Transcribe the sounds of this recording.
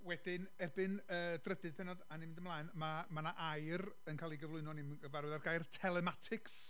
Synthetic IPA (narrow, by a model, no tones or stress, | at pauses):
wɛdɪnɛrbɨnəːdrədɨð̥pʰɛnɔdanimɪ̃ndəmlˠaːɨnmamanaʔajr | ənkʰaːlˠiɡəvlˠʊɨnɔnɪmɡəvarwɛðarɡajrtʰɛlˠɛmatʰɪks